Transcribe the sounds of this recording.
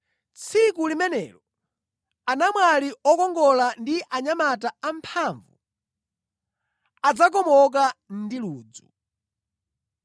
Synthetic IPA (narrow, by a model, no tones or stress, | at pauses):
t͡sʰikulimɛnɛ̰lɔ | anamwaliɔkɔŋɡɔlandiʔaɲamataam̩pʰaɱvṵ | ad͡zak̬ɔmɔk̬andiluːd͡zu